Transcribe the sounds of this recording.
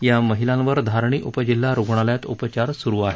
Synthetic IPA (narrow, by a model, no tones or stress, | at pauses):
jaməɦilãnʋəɾd̪ʱaɾɳ̃iːʔupəd͡ʑilːaɾuɡɳ̃aljat̪upət͡ɕaɾsuɾuːaɦe